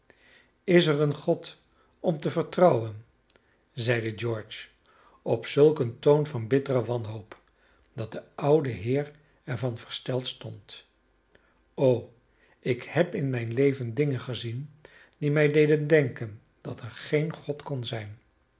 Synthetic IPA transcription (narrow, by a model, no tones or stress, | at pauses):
ɪsərənχɔt | ɔmtəvəɹtrɑwən | zɛjdəd͡ʒɔɹt͡ʃ | ɔpsɵlˠkəntownvɑnbɪtərəʋɑnɦowp | d̥ɑt̚d̥əʌwdəɦɪːɹ | ɛɹvɑnvə̥ɹstɛlˠtstɔnt | ow | ɪkhɛpɪnmɛjnlejvəndɪŋənχəzin | d̥imɛjdejdəndɛŋkən | d̥ɑtʰɛɹχejnχɔtkɔnzɛjn